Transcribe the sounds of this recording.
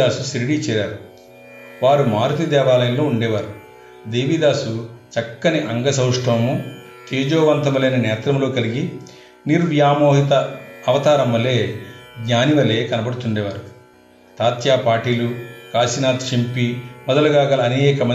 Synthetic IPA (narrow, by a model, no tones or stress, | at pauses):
aːsusɾiɽiːt͡ʃɛːɾaːɾu | ʋaːɾumaːɾut̪id̪ɛːʋaːlɐjɐmloːuɳɖɛːʋaːɾu | d̪eːʋid̪aːsut͡ʃɐkːɐniʔɐŋɡɐsɐwʂʈʰɐʋmu | k̪eːd͡ʒoːʋɐnt̪ɐmuleːnɐnɛːt̪ɾɐmlo̞ːkɐliɡi | niɾʋjaːmoːɦit̪ɐːʋɐt̪aːɾɐmʋɐlːeːɡɲaːniʋɐle̞ːkɐnɐbɐɽut̪uɳɖɛːʋaːɾu | t̪aːt̪jaːpaːʈiːlukaːsinaːt̪t͡ʃimpimɔd̪ɐluɡaːɡɐlɐːneːkɐmɐ